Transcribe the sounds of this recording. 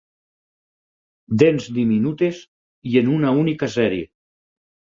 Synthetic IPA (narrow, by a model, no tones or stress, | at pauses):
d̪enzd̪iminut̪ez | ienunaunikasɛɾie